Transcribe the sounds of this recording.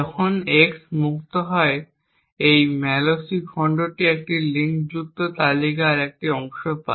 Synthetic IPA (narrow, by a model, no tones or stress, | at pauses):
ɔkʰoneksmukt̪oɦɔe | ejmɛlosiɡʱɔɳɖoʈiek̚ʈiliŋkd͡ʑuk̚t̪ot̪alikaɾek̚ʈiɔŋʃopa̰